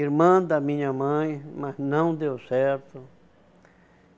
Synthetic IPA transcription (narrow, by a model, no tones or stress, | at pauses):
iɾmãd̪amĩɲãmãj̃mãsnãw̃d̪ewseɾt̪o